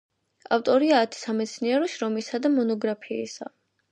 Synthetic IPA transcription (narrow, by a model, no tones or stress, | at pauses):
a̰ft̪ʼɔɾiaːt̪ʰi̥samɛt̪sʰniɛɾɔʃɾɔmisad̪amɔnɔɡɾapʰḭːsa̰